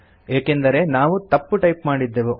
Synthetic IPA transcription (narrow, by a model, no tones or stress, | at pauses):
eːkend̪ɐɾe̞naːʋut̪ɐpːuʈɐjpmaːɽid̪ːeːʋu